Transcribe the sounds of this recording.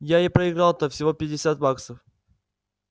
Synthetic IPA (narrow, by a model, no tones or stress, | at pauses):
jaɪpɾəɪɡɾɑlˠt̪əfsʲɪvo̞pʲɪdʲɪsʲat̪̚baksəf